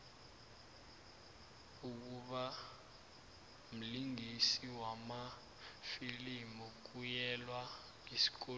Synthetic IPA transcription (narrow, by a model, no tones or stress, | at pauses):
uk̬uɓa | m̩liŋʱisiwama | filimuk̬ujɛlwa | isi̥k̬ɔ